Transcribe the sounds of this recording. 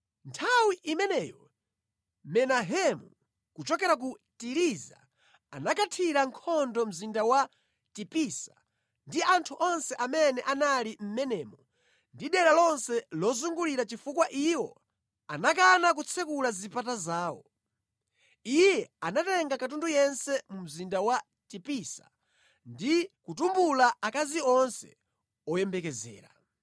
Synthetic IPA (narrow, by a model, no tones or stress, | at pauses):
ntʰawiʔimɛnɛːjɔ | mɛnaɦɛmu | kut͡ʃɔkɛɾak̬utiɾiza̰ | a̰nakatʰiɾaŋkʰɔndɔm̩zindawa | tipisa | ndiʔantʰuʔɔnsɛʔamɛnɛʔanalim̩mɛnɛːmɔ | ndiɗɛɾalɔnsɛlɔzuŋɡuliɾat͡ʃifukwaʔiwɔ | anak̬anak̬ut͡sʰɛkulazipatazaːwɔ̰ | ijɛanatɛŋɡakat̬undujɛnsɛmum̩zindawa | tipisa̰ | ndikutumbulaakaziɔnsɛ̰ | ɔjɛmbɛkɛzɛ̰ːɾa̰